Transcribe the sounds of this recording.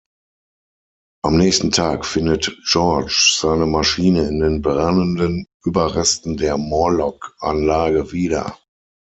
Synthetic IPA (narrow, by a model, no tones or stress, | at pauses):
ʔamnɛːçstn̩tʰaːkfɪndətʒ̥ɔɐt͡ʃz̥aɪnəmaʃiːnəɪndeːnbʁanəndənʔyːbɐʁɛstn̩deːɐmɔlɔkʔa̰nlaːɡəviːdɐ̰